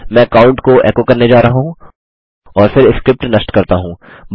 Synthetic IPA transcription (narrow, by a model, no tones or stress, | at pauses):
mɛ̃ːɐkaːʊ̃ɳʈkoʔɛ̰ːkokɐɾned͡ʒaːɾɐɦaɦũː | ɔːɾfɪɾɪskɾɪp̚ʈnɐsʈkɐɾt̪aɦũː | b